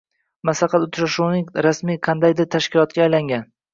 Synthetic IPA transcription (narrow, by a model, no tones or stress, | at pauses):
masɑqʰɑt̪ʊt̪ʰʃaʃunɪŋɾasmijqʰɑnd̪ajd̪ɪɾt̪ʰaʃkʲɪlˠɒt̪̚kʲaːjlaŋɡʲan